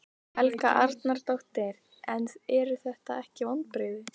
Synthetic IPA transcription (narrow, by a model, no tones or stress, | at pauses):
hɛlkaʔaɾt̪naɾt̪owht̪ɪɾ | ɛnɛɾʏθɛht̪aɛhcɪvɔnt̪̚pɾɪːðɪ